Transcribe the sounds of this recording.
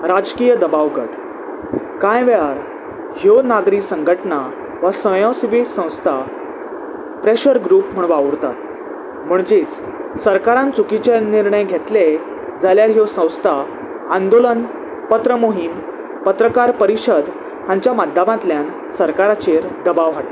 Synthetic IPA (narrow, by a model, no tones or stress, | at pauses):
ɾad͡zkijəd̪əbaʋɡə̰ʈ | kãjʋeɭaɾ | hjonaɡɾisəŋɡʱəʈna | ʋəsə̃jɔ̃siʋisə̃w̃st̪ʰa | pɾeɕəɾɡɾupm̤əɳʋaʋɾt̪a̰t̪ | m̤əɳd͡ʑet͡s | səɾkaɾãnt͡sukit͡ɕeniɾɳəjɡʱet̪le | d͡zaljaɾɦjosə̃w̃st̪ʰa | and̪olən | pət̪ɾəmoɦim | pət̪ɾəkaɾpəɾiɕəd̪ | hãɲt͡ɕjamad̪ʱːamãt̪ljan | səɾkaɾat͡ɕeɾd̪əbaʋɦaʈ